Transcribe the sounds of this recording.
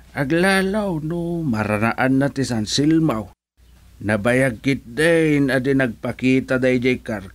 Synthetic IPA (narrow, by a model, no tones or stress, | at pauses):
ʔaɡlalawnʊmaɾanaʔanːat̪isansɪlmaw | nabajaɡ̚ːɪt̪̚d̪anad̪ɪnaɡ̚pakiːt̪ad̪ajd͡ʒajkar